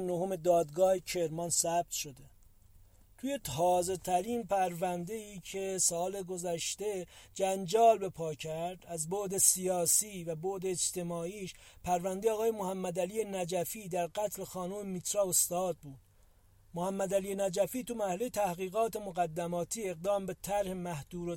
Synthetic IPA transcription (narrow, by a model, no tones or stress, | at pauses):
nohome̞d̪ɒːd̪ɡɒːhecʰeɾmɒnsæb̚t̪ʃod̪e̞ | t̪ʰuːjet̪ʰɒːze̞t̪ʰæɾiːnpæɾvænd̪e̞iːcʰe̞sɒːle̞ɡo̞zæʃt̪e̞d͡ʒænd͡ʒɒːlbe̞pʰɒːcʰæɾd̪æzboʔd̪e̞sijɒːsiːvæboʔd̪eːd͡ʒt̪ʰe̞mɒːiːʃpʰæɾvænd̪eɒːɣɑːjemohæmːæd̪æliːjenæd͡ʒæfiːd̪æɾɡæt̪ʰle̞xɒːnuːmemit̪ɾɒːost̪ɒːd̪̚buːd̪̥ | mohæmːæd̪ælijenæd͡ʒæfiːt̪umæɾhælejet̪ʰæhɣiːɣɒːt̪e̞moɣæd̪ːæmɒːt̪ʰiːe̞ɣ̚d̪ɒːmbe̞t̪ʰæɾhemæhd̪̥uːɾo